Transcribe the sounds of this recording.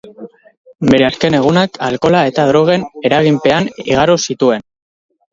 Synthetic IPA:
be̞ɾe̞aske̞ne̞ɣ̞unakalko̞lae̞t̪aðɾo̞ɣ̞e̞ne̞ɾaɣ̞impe̞aniɣaɾosit̪ue̞n

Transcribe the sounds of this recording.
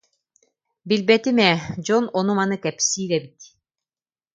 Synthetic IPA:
bilbɛt̪imɛd͡ʑɔnɔnumanɯkɛpsiːlɛbit̪

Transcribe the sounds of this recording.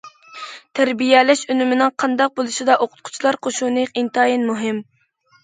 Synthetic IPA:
t̪ʰæɾbijɛlɛʃønymɪnɪŋqʰɑnd̪ɑq̚bolˠuʃid̪ɑʔoqʰʊ̥t̪̚qʰʊ̥t͡ʃʰilˠɑɾqʰoʃunɨqint̪ɑːjinmuɦɪm

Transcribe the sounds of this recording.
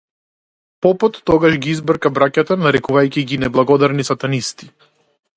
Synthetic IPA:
pɔpɔt̪ːɔɡaʃɡʲiizbr̩kabɾacat̪anaɾɛkuvajcʲiɡʲinɛblˠaɡɔd̪aɾnisat̪anist̪i̥

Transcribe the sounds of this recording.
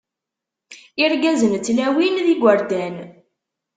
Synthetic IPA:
iɾɡæzənt͡sːlæwinðiɡʷəɾd̪æn

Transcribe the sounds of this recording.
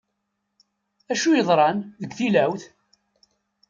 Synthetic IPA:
æʃujəðˤɾˤɑnðəɡʷθilæwθ

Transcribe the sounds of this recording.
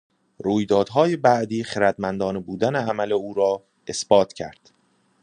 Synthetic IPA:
ɾuːjd̪ɒːd̪̥ɦɒːje̞bæʔd̪iːχeɾæd̪mænd̪ɒːnebuːd̪æneæmæleuːɾɒː | e̞sb̥ɒːt̪ʰcʰæ̰ɾd̪̥

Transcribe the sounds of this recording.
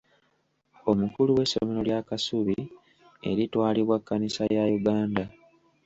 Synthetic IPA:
o̞mukuluwe̞sːomiɾo̞ljaːkasuβi | e̞̰ɾitwaːliβwakːanisajajuɡaːnda

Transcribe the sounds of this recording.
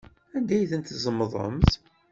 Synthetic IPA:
ænd̪æjθənt̪zˤəmːəðˤə̰mθ

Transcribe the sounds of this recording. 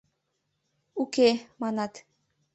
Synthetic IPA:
ukemɑnɑt̪

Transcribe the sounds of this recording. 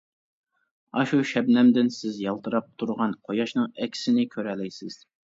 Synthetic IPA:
ɑʃuʃɛbnɛmd̪ɪnsɪzjɑlˠt̪ɨɾɑp̚t̪ʰuɾʁɑnqʰojɑʃnɨŋɛkʲʰɪ̥sɪnɪkʲʰøɾɛlɛjsɪz̥

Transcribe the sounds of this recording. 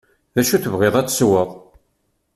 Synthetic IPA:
ðæʃuθəvʁeðˤæt͡sːswəðˤ

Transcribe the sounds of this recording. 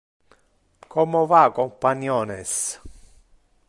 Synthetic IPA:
kʰɔmovakɔmpanjɔːnɛs

